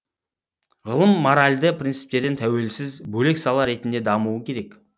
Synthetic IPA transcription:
ʁəlˠəmːoɾalʲd̪əprʲint̪sɨ̥p̚t̪e̞ɾd̪ent̪ʰæwe̞lsɪzbɵle̞ksɑlˠɑɾe̞t̪ɪnd̪e̞d̪ɑmuəkʲʰe̞ɾe̞k

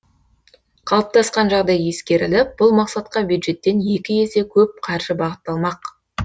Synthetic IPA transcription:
qʰɑlˠəp̚t̪ʰɑsqɑnʒɑʁd̪ɑjːe̞skʲe̞ɾɪlɪp̚b̥ʊlˠmɑqsɑt̪qɑbjud̪ʒe̞t̪ːe̞nje̞kʲɪje̞se̞kʲʰɵp̚qʰɑɾʒəbɑʁət̪ːɑlˠmɑq

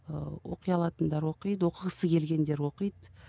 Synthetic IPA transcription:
wo̞̰qəjɑlˠɑt̪ənd̪ɑɾwo̞qijd̪wo̞qəʁəsəkʲʰe̞lɡʲe̞nd̪e̞ɾwo̞qəjd̪

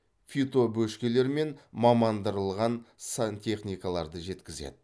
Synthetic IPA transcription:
fʲit̪o̞bɵʃkʲe̞le̞ɾme̞nmɑmɑnd̪əɾəlˠʁɑnsant̪ʲʰe̞χnʲijkɑlˠɑɾd̪əʒe̞t̪kʲɪzḛd̪ɪ

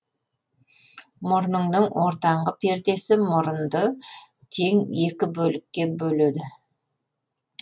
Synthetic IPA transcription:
mʊɾnəɴnəɴwo̞ɾt̪ɑɴʁəpʰe̞ɾd̪e̞sɪmʊɾənd̪ə | t̪ʰe̞ŋe̞kʲɪbɵlɪkʲːe̞bɵle̞d̪ɪ

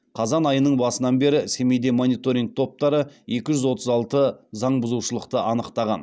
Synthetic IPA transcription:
qʰɑzɑnɑjənəɴbɑsənɑnbe̞ɾɪse̞me̞jd̪e̞mo̞nijt̪o̞ɾʲiŋk̚t̪ʰo̞p̚t̪ɑɾəje̞kʲɪʒʏzwo̞t̪ʰəzɑlˠt̪əzɑɴbʊzuwʃəlˠəqt̪əʔɑnəqt̪ɑʁɑ̰n

